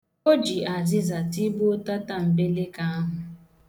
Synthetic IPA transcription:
o˦d͡ʒi˨a˨zɪ˦za˨ti˦bo˦ta˦ta˦m̩˨be˦le˦ka˦a˦ɦʊ˨

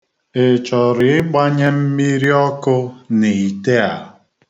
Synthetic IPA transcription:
ɪ˨t͡ʃɔ˨ɾɪ˨ɪ˦ɡ͡ba˦ɲe˦m̩˦mi˦ɾi˦ɔ˦kʊ˦ni˨i˨te˦a˨ʊ˨

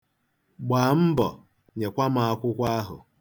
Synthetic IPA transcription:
ɡ͡baː˨m̩˦bɔ̰˨ | ɲe˨kʷa˦m̩˦a˨a˦kʷʊ˦kʷa˦ɦʊ̰˨

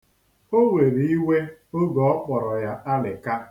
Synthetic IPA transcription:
o˦we˨ɾi˦we˦o˦ɡɔ˨ɔ˦k͡pɔ˨ɾɔ˨ja˦a˦lɪ̰˨ka˦

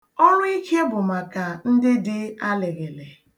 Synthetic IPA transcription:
ɔ˦ɾʊ˦i˦kʰe˦bʊ˨ma˨ka˨n̩˦dɪ˦dɪ˦a˦le˨ɣe˨le˨

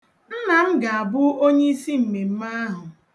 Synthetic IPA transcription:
n̩˦na˨m̩˦ɡa˨a˨bʊ˦o˦ɲe˦i˦si˦m̩˨me˨m̩˦ma˦a˦ɦʊ˨

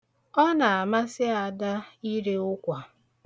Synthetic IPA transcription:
ɔ˦na˨a˨ma˦sɪ˦a˨da˦i˦ɾe˦ʊ˦kʷa˨

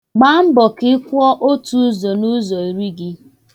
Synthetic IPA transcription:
ɡ͡ba˦m̩˦bɔ˨kɪ˦kʷɔ˦ʔo˦tu˦zo˨nu˦zɔ˨i˨ɾi˦ɡɪ˦

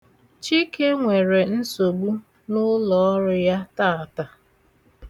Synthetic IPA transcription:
t͡ʃi˦ke˦ŋʷe˨ɾe˨n̩˦so˨ɡ͡bu˦ | nʊ˦lɔ˨˦ɾʊ˦ja˦ta˦˨a˨ta˨

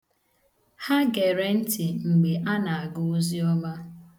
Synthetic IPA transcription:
ha˦ɡe˨ɾe˨n̩˦ti˨ŋ͡m̩˨ɡ͡be˨ʔa˦na˨a˨ɡʊ˦o˦zi˦ɔ˦ma˦

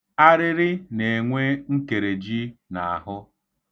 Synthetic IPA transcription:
a˦ɾɪ˦ɾɪ˦ne˨ŋʷe˦ŋ̩˦ke˨ɾe˨d͡ʒi˦na˨a˨ɦʊ˦

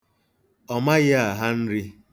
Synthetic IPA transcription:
ɔ˨ma˦ɣɪ˦a˨ɦa˦n̩˦ɾɪ˦

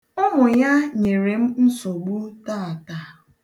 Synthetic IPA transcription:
ʊ˦ɦʊ˨ja˦ɲe˨ɾe˨m̩˦n̩˦so˨ɡ͡bu˦ta˦˨ta˨

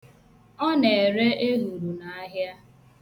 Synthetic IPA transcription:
ɔ˦ne˨e˨ɾe˦ʔe˦ɦu˨ɾu˨na˨a˦ɦja˦

